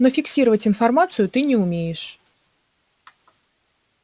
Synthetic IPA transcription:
nofʲɪksʲiɾəvətʲɪnfɐrmat̪sɨjʊt̪ɨnʲɪʊmʲejɪʂ

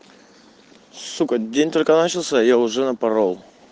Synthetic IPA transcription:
sukədʲenʲt̪o̞lʲkənat͡ɕɪlˠsʲəjaʊʐɛnəpɐɾolˠ

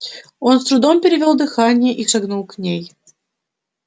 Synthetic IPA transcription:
onst̪ɾʊd̪ompʲɪɾʲɪvʲolˠd̪ɨxanʲɪjəʔiʂɐɡnulˠknʲej

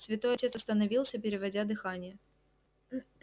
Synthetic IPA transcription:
svʲɪt̪o̞jɐtʲet̪sɐst̪ənɐvʲilˠsʲəpʲɪɾʲɪvɐdʲad̪ɨxanʲɪjə

